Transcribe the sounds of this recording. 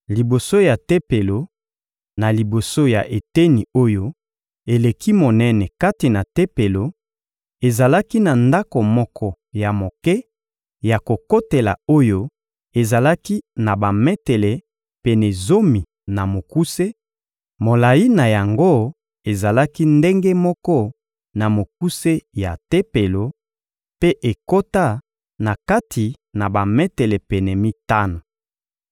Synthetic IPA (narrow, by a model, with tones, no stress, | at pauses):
li˨bo˨so˦ja˨te˦pe˨lo˨ | na˨li˨bo˨so˦ja˨ʔe˨te˦ni˨o˦jo˦ | e˨le˨kʰi˦mo˨nɛ˦nɛ˨ka˦ti˨na˨te˦pe˨lo˨ | e˨za˨la˦ki˦na˨nda˦ko˨mɔ˦kɔ˦ | ja˨mo˨kɛ˦ | ja˨ko˨ko˦te˨la̰˨o˦jo˦ | e˨za˨la˦ki˦na˨ba˨mɛ˦te˨lɛ˨ | pe˨nɛ˨zo˦mi˨ | na˨mo˨ku˦se˦ | mo˨la˨ji˦na˨ja˨ŋɡo˦ | e˨za˨la˦ki˦nde˦ŋɡe˦mɔ˦kɔ˦ | na˨mo˨k̚u˦se˦ja˨te˦pe˨lo˨ | pe˦ʔe˨ko˦ta˦ | na˨ka˦tʰi˨ | na˨ba˨mɛ˦te˨lɛ˨pɛ˨nɛ˨mi˦ta˦no˨